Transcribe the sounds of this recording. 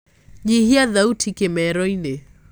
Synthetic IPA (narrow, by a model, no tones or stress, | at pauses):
ɲihiaðautʰikɛmɛɾɔinɛ